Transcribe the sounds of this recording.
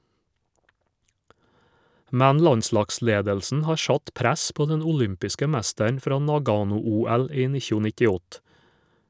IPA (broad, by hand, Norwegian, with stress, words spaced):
ˈmɛn ˈlɑnˌslɑːkˌsleːdəlsn̩ ˈhɑːɾ ˈʃɑt ˈpɾæs ˈpoː ˈdɛn ʊˈlʏmpɪskə ˈmɛstəɳ ˈfɾɑː ˈnɑˌɡɑːnʊˌuːæl ˈiː ˈnɪçʊ nɪtɪˈɔt